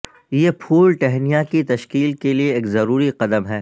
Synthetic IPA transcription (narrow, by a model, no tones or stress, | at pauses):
jepʰuːlʈɛɦnijakit̪ɐʃkiːlkelieːkzɐɾuːɾiqɐd̪əmɦɛː